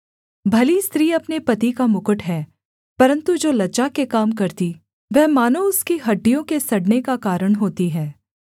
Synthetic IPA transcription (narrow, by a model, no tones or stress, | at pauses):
bʱɐlist̪ɾiːɐpnepɐt̪ikamʊkəʈɦɛː | pɐɾə̃nt̪ud͡ʒoːlɐːt͡ʃakekaːmkɐɾt̪i | ʋɛɦmaːnoʊskiɦɐɖːijõkesɐɽnekakaːɾəɽ̃ɦoːt̪iɦɛː